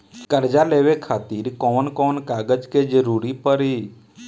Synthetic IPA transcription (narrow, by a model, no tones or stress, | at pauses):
kəɾd͡ʒaleʋekʰaːt̪iɾkɔːnkɔːnkaːɡəd͡ʒked͡ʒəɾuːɾipəɾi